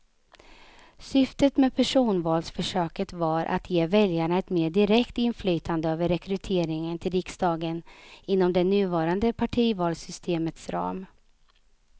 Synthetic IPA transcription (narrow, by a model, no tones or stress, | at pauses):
sʏft̪ət̪mɛpʰæʂuːnvɑːlsfœʂøːkət̪vaɾʔa̰t̪ʰjeːvɛljaɳaɛt̪meːɖɪɾɛkt̪ɪnflyːt̪ʰand̪əøːvəɾːɛkɾɵt̪ʰeːɾɪŋənt̪ʰɪlɾɪksd̪ɑːɡənɪnːɔmd̪ɛnʉ̟ːvɑːɾand̪əpʰaʈʰiːvɑːlsʏst̪ʰeːmət̪sɾɑ̰ːm